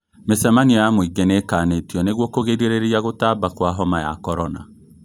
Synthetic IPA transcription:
mesɛmaniɔjamoiɡenekanetiɔneɣwɔkoɣeɾeɾeɾiaɣotabakwaɦɔmaja̰kɔɾɔna̰

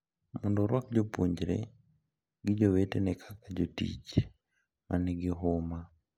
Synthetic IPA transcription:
mɔndɔɾwak̚d͡ʒopoɲd͡ʒɾḛ | ɡɪd͡ʒowetenɛkʰakad͡ʒotḭt͡ʃ | mʔanɛɡɪɦʊma

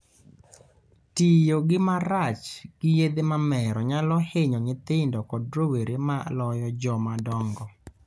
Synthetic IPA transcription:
tɪjoɡɪmaɾat͡ʃɡ̥ɪjed̪emamɛɾɔɲalɔheɲɔŋɪt̪ɪndɔkɔdɾoweɾemalɔjɔd͡ʒɔmadɔŋɡɔ

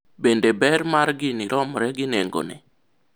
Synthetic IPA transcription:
bendebɛɾmaɾɡɪniɾʔɔmɾɛɡɪneŋɡo̰nɛ̰

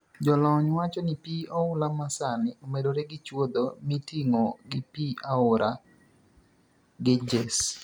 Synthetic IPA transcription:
d͡ʒɔlɔɲwat͡ʃɔnɪpioʊlamasanɪomedoɾeɡɪt͡ʃwod̪omitiŋoɡɪpiaʊɾa | ɡɪd͡ʒɛs

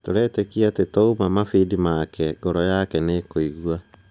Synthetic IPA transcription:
toɾɛːtɛkiatetoumamafidimakɛɡɔɾɔjakɛnekoiɣwa

